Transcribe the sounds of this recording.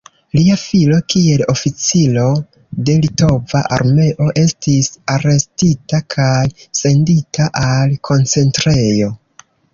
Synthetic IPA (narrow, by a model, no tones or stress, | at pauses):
liafilo̞kie̞lo̞fit͡silo̞ | de̞lito̞vaʔa̰ɾme̞ʔo̞ʔe̞stisaɾe̞stitakʰajse̞nditʰaʔalkʰo̞nt͡se̞ntɾe̞jo̞